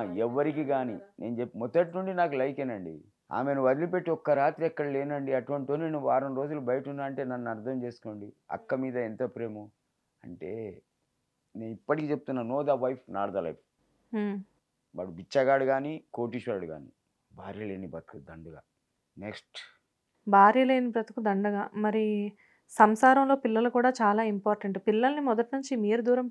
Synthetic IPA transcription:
ɛʋːɐɾikiːɡaːninʔe̞ːnud͡ʒepːmɔd̪ɐʈnuɳɖinaːk̬ulɐjkeːnɐɳɖḭ | a̰ːmenuʋɐd̪ilipe̞ʈːiɔkːɐɾaːt̪ɾiɛkːɐɽɐle̞ːnɐɳɖiɐʈuʋɐɳʈioːninuʋaːɾɐmɾo̞ːd͡ʒulubɐjɐʈunːaːɾɐɳʈe̞ːnɐnːɐɾd̪ʱɐmt͡ʃe̞ːsu̥ko̞ːɳɖi | ɐ̰kːɐmiːd̪ɐɛnt̪ɐpɾe̞ːmu | ɐ̰ɳʈe̞ː | ne̞ːnipːɐʈikiːt͡ʃeb̚ut̪unːaːnoːd̪ɐʋɐjpʰnaːɾd̪ɐlɐ̰jpː | ʋa̰ːɽubit͡ʃːɐɡaːɽuɡaːnikoːʈiʃaːɽuɡa̰ːnḭ | bʱaːɾjɐleːnibɐt̪ɐ̥kud̪ɐɳɖɐɡaː | neksʈ | bʱaːɾjɐle̞ːnibɾɐt̪ɐkud̪ɐɳɖɐɡaːmɐɾi | sɐmsaːɾɐmlo̞ːpilːɐlɐkuːɽaːt͡ʃaːlaːimpaːɾʈɐɳʈupilːɐlɐnimɔd̪ɐʈnuɲt͡ʃimiːɾud̪uːɾɐm

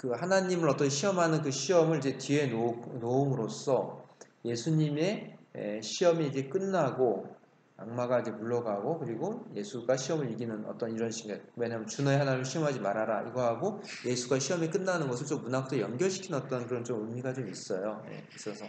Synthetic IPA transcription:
kɯhanaɲimɯɭʌt͈ʌnɕʰiʌmɦanɯnkɯɕʰiʌmɯɭid͡ʑe̞tie̞nonoomɯɾos͈ʌ | je̞sʰuɲime̞ḛɕʰiʌmiid͡ʑe̞k͈ɯnːaɡo | a̰ŋmaɡaid͡ʑe̞muɭːʌɡaɡokɯɾiɡoje̞sʰuɡaɕʰiʌmɯɾiɡinɯnʌ̰t͈ʌniɾʌnɕʰiŋɡaɭwe̞ɲamɯnt͡ɕunʌeɦanaɲimɯɭɕʰiʌmɦad͡ʑimaɾaɾaḭɡʌɦaɡoje̞sʰuɡaɕʰiʌmek͈ɯnːanɯnɡʌsʰɯɭt͡ɕomːunakt͈ʰojʌnɡjʌɭɕʰi̥kʰinʌt͈ʌnkɯɾʌnt͡ɕomɯmiɡat͡ɕomis͈ʌjoje̞̰is͈ʌsʰʌ

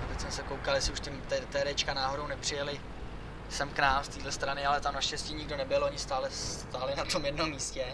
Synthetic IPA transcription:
at̪ɛcsmɛsɛkowkaljɛsɪuʃt̪ɪmt̪ɛt̪ɛɾɛt͡ʃkanaːɦo̞ɾo̞wnɛpr̝̥ɪjɛlɪ | sɛmknaːmst̪iːdlɛst̪ɾanɪalɛt̪amnaʃcɛsciːɲɪɡdo̞nɛbɪloɲɪst̪aːlɛst̪aːlɪnat̪o̞mjɛdno̞mːiːscɛ

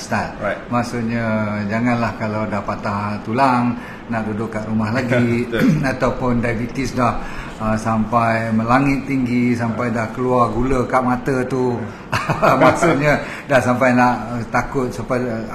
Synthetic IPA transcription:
st̪at̪̚maʔsut̪̚ɲad͡ʒaŋãnlahkalawdahpat̪laht̪ulaŋ | naʔdudʊkːaʔɾumahlaɡiat̪awpʊndajbit̪isdah | sampajmə̃laŋɪt̪ːiŋɡisampajdahkəluarɡuləkaʔmat̪ət̪u | mmaksut̪̚ɲa | dahsampajnaʔt̪akʊt̪̚supa

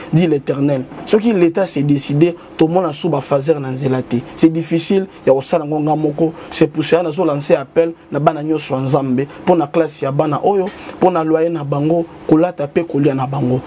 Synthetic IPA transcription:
diletɛʁnɛlsɔkiletasɛdeside | tomɔnasubafazɛʁnanzelatɛsɛdifisiljakosalŋɡoŋɡamɔkɔsepuseanazolanseapɛlnabanaɲɔnsɔjanzambeponaklasjabanaʔojoponalwajenabaŋɡokolatapekolianabaŋɡo

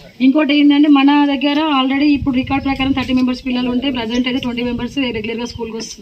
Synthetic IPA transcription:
iŋkoːʈ̬ɐjːind̪ɐɳʈeːmɐnɐd̪ɐɡːɐɾɐaːlɾeɽiːpːuɽuɾikaːɾɖ̚pɾɐkaːɾɐmt̪ʰɐʈ̬ːimembɐɾspilːɐluɳʈe̞ːpɾɐd͡ʒeɳʈɐjt̪eʈʋɐɳʈiːmembɐɾsɾeɡulɐɾɡaːskuːlkoɐst̪und̪i

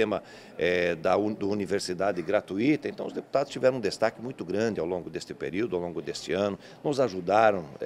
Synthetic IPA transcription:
ẽmɐ | ɛd̪ɐud̪univeɾsid̪ad̪ɪɡɾat̪uit̪ɐẽnt̪ɐ̃w̃ʊzd̪eput̪ad̪ʊst͡ʃivɛɾɐ̃ũd̪est̪akɪmũj̃t̪ʊɡɾɐ̃nd̪ɪawlõŋɡʊd̪est̪ɪpḛɾiwd̪ʊawlõŋɡʊd̪est̪ɪɐ̃nʊ | nʊzaʒud̪aɾɐ̃w̃

